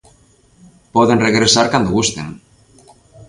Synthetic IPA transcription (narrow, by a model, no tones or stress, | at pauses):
pɔðenreɣɾesaɾkand̪oɣust̪eŋ